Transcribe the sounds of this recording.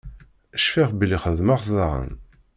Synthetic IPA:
əʃfiʁbliχəðmaʁðɑʁə̰n

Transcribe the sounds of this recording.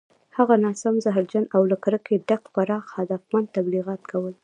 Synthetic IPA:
haɣanɑsamzaɦɾd͡ʒanawlakaɾəkeɖaqpaɾɑxhad̪afmand̪̚t̪abliɣɑt̪kʰawəl

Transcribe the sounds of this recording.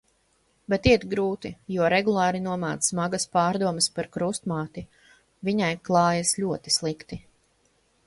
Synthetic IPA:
bɛt̪iɛt̪ɡɾuːt̪ijuɔɾɛɡulˠɑːɾinuɔmaːt̪smaɡaspɑːɾd̪uɔməspaɾkɾust̪maːt̪i | viɲajklˠɑːjɐsʎʲuɔt̪i̥slˠikt̪i

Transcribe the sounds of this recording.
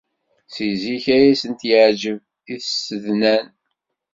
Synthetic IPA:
siziçæjæsənt̪jəʕd͡ʒəv | iθsəðnæn

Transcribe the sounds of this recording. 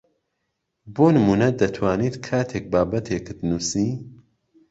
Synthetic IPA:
boːnɨmuːnɐd̪ɐt̪ʰwaːniːt̪kʰaːt̪ʰek̚baːbɐt̪ʰekɨd̪nuːsiː

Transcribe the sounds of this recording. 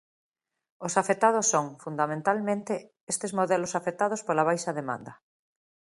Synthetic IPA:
osafet̪að̞osːoŋfund̪amẽnt̪almẽnt̪e | est̪ezmoðɛlosafet̪að̞ospolaβ̞ajʃaðemã̰nd̪ɐ

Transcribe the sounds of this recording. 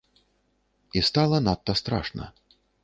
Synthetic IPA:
ist̪alˠɐnat̪ːɐst̪ɾa̰ʂnɐ̰

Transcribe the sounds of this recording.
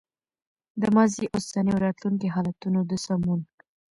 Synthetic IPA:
d̪əmɑziʔʊsaniwɾɑt̪luŋkiɦɑlat̪unod̪əsamun

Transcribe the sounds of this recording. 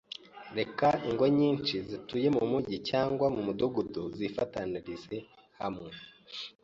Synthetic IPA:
ɾe̞kaiŋɡo̞ɲiːnt͡ʃizituje̞mumuɟicaːŋɡwamumuduɡuduzifataniɾize̞ | ha̰mŋe

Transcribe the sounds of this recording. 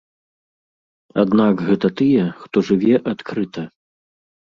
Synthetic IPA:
a̰d̪nakɣɛt̪ɐt̪ɨjɛxt̪ɔʐɨvʲɛʔat̪kɾɨt̪ʰɐ

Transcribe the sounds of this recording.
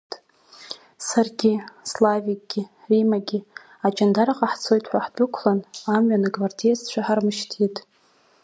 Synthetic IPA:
sarɡʲɪslavik̚ʼɡ̥ʲɪ | rimaɡʲɪ | at͡ʃʼandaɾaqʼaħt͡sʰo̞jtʰʼħʷaħbʼʊkʷʰlanamɥanɨɡvardijazt͡ɕʷʰaħarmɨʃtʰitʼ

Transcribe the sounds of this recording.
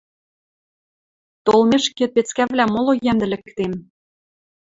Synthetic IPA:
t̪olmeʃkĕt̪̚pet͡skævlʲæmolˠojæmd̪ɘ̆lɘ̆kt̪em

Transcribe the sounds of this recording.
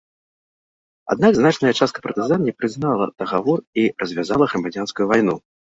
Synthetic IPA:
a̰d̪̚naɡznat͡ʂnɐjɐt͡ʂast̪̚kɐ̥pɾt̪ɨzanʲːipɾɨznalˠɐd̪̥ɐɣavɔrirɐzʲvʲazalˠɐɣɾɐmad͡zʲanskujuvajnu

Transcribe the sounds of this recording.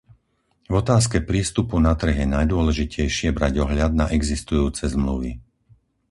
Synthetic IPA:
vɔt̪aːskɛpɾiːst̪upunat̪r̩ɣjɛnajd̪ʊɔlɛʒicɛjʃɪɛbɾaɟɔɦʎad̪̚naʔɛɡzist̪ujuːt͡sɛzmlṵʋḭ

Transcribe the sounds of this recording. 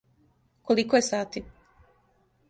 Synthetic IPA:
kolikojesaːt̪i

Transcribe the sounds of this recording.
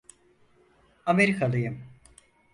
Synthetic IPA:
ameɾikʰalˠɯjɯm

